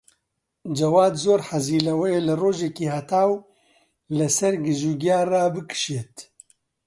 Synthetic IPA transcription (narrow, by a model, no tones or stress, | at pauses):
d͡ʒɐwaːd̪zoːɾħɐziːlɐwɛjeːlɨroːʒekiːhat̪ʰaːw | lɨsɐɾɡɨʒuɡjaːraːbɨkɨ̥ʃeːt̪